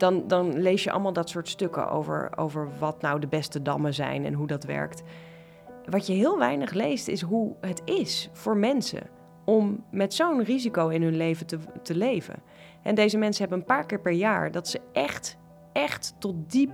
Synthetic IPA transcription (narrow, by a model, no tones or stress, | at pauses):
d̥ɑndɑnlejsjəʔɑ̰lˠmaːlˠdɑtsʊːɹtstøkə̰ʔo̰wvə̰ɹo̰wvə̰ɹʋɑtnawdəbɛstədɑ̰məzɛ̰jnɛ̰nɦudɑtʋɛ̰ɹkt | ʋɑjəɦɪːlˠʋɛjnəχlejstɪsɦuɦətɪsfʊːɹmɛnsə̰ | ɔmːɛtsownrizikowɪnɦɵnlejvətətəlejvə̰ | ɛndejzəmɛnsəɦɛbənənpaːɹkɪːɹpɛɹjaːɹdɑtsəʔɛχt | ʔɛχtːɔt̚dip